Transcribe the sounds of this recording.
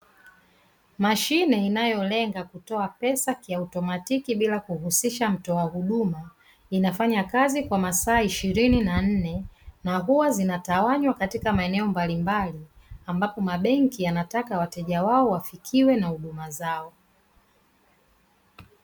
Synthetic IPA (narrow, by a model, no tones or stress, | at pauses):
maʃinɛinajɔlɛŋɡakutɔapɛsakiautɔmatikiɓilakuhusiʃam̩tɔwahuɗuma | inafaɲakazikwamasaːiʃiɾininan̩nɛnaɦuwazinatawaɲwakatikamaɛnɛɔmbalimbali | ambapɔmaɓɛŋkianatakawatɛʄawaɔwafikʰiwɛnahuɗumazaɔ